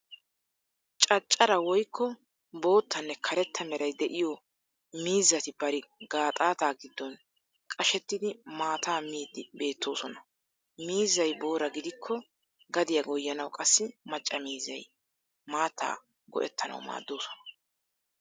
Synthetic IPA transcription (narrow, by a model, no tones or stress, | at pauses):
t͡ʃʼɐt͡ʃʼːɐɾɐwɔjkʰːɔ | bo̞ːt̪ʰːɐnːɛkʰɐɾɛt̪ʰːɐmɛɾɐjd̪ɛʔɪjɔ | miːzːɐt̪ɪbɐɾɪɡ̥aːt̪ʼaːt̪aːɡɪd̪ːɔn | kʼɐʃɛt̪ːɪd̪ɪmaːt̪aːmiːd̪ɪbe̞ːt̪ːo̞ːsɔnɐ | miːzːɐjbo̞ːɾɐɡɪd̪ɪkʰːɔ | ɡɐd̪ɪjɐɡɔjːɐnɐwkʼɐsːɪmɐt͡ʃʼːɐmiːzːɐj | maːt̪ʰːa̰ː | ɡɔ̰ʔɛ̰t̪ːɐnɐ̰wma̰ːd̪ːo̞ːsɔ̥nɐ